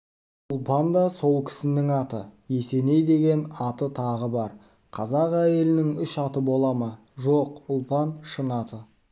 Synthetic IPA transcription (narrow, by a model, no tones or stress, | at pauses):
ʊlˠpɑnd̪ɑso̞lˠkʲʰɪ̥sɪnɪŋɑt̪əje̞se̞ne̞jd̪e̞ɡʲe̞nɑt̪ət̪ʰɑʁəbɑɾ | qʰɑzɑqæje̞lɪnɪŋʏʃɑt̪əbo̞lˠɑmɑ | ʒo̞qʊlˠpɑnʃənɑt̪ə